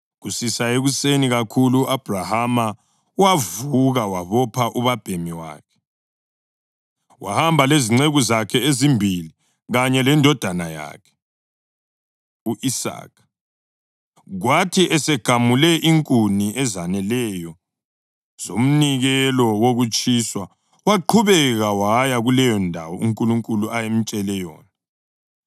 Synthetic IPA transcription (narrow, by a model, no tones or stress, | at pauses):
ɣusisaeɣuseniɣakʰuluʔab̥ʱrahama | uwavuɣawaβɔpʰaʔuβab̥ʱemiwa̰ːkʰɛ̥ | wa̰hambʱaleziŋ͡ǀeɣuzakʰɛezimbʱili | ɣaɲɛlɛndʱɔd̥ʱanaja̰ːkʰɛ̥ | uʔisa̰ːkʰḁ | ɣwatʰiʔɛsɛɡ̥ʱamulɛʔiŋkʼuniʔɛzanɛlɛjɔ | z̥o̰m̩niɣɛlɔwoɣut͡ʃʼiswa | waǃʰuβɛɣawajaɣulɛjɔndʱawɔuŋkʼuluŋkʼuluʔajem̩t͡ʃʼɛlɛjɔ̰ːna